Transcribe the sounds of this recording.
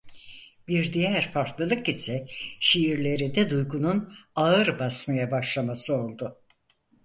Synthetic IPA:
biɾd̪ijæɾfaɾk̪lˠɯlˠɯkisɛʃijiɾlʲe̞ɾind̪ɛd̪ujɡununaɯɾbasmajabaʃlˠamasɯo̞lˠd̪ʊ

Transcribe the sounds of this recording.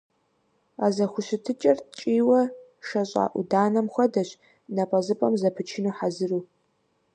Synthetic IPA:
aːzɐxʷʊɕɪtʰɨt͡ʃʼɐrt͡ʃʼiːwɐʃɐɕʼa̰ːʔʷʊdaːnɐmxʷɐdɐɕ | nɐpʼɐzɨpʼɐmzɐpʰɨt͡ʃʰɪnuːħazɨruː

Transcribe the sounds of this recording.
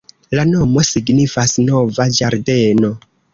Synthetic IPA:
lano̞mo̞siɡnifasno̞vad͡ʒaɾde̞no̞

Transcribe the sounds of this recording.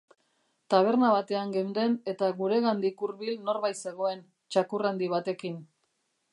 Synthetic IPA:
t̪aβ̞e̞ɾnaβat̪e̞aŋɡew̪d̪e̞ne̞t̪aɣuɾe̞ɣand̪ikuɾβilno̞ɾβajse̞ɣ̞o̞e̞n | t͡ʃakurand̪iβ̞at̪e̞kin

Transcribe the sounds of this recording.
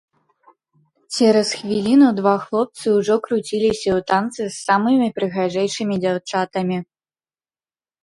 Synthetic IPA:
t͡ɕʲɛɾɐsxvʲilʲinud̪vaxlˠɔp̚t̪sɨuʐɔkɾut͡sʲilʲisʲɐut̪ant̪sɨsːamɨmʲipɾɨɣaʐɛjʂɨmʲid͡zʲawt͡ʂat̪ɐmʲi

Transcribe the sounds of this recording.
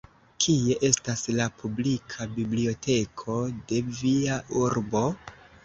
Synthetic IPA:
kʰie̞ʔe̞staslapublikʰabiblio̞tʰe̞kʰo̞de̞viaʔuɾbo̞

